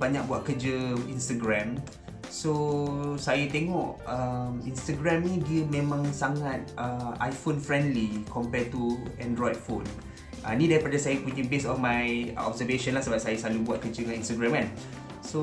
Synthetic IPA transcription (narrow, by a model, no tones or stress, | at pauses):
baɲak̚buwat̚kəd͡ʒəinst̪əɡɾɛ̃m | sosajat̪ɛŋɔʔəminst̪əɡɾɛ̃mnĩdiəmẽmãŋsaŋat̪̚ʔəa̰jfonfɾɛ̃ndlikʰɔmpɛt̪uɛ̃ndɹɔd̚fo̰n | ʔənĩdaɾipadasajapuɲə̃besɔfmajɔ̰b̚səveʃə̃nlahsəbap̚sajasalubuat̪̚kəd͡ʒəŋãnĩnstəɡɾɛ̃mkan | so